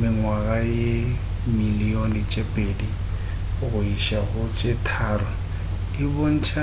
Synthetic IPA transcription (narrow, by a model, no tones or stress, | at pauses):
mɪŋwaɣaje | milionɪt͡ʃʼepʼedi | ɣʊiʃaɣʊt͡ʃʼetʰaːɾʊ | dibon̩t͡ʃʰa